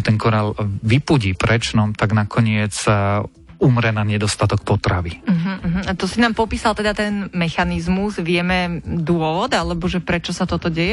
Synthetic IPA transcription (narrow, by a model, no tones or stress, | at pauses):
t̪ɛŋkɔɾalʋipuɟiːpɾɛt͡ʃnɔmt̪aɡnakʰɔɲɪɛt͡s | umɾɛnaɲɛd̪ɔst̪at̪ɔk̚pɔt̪ɾa̰ʋim̩ɦm̩ːɦm̩at̪ɔsinaːmpɔpiːsalˠt̪ɛd̪at̪ɛnmɛxanizmuzʋɪɛmɛd̪ʊɔʋɔd̪alɛbɔʒɛpɾɛt͡ʃɔsat̪ɔt̪ɔɟɛjɛ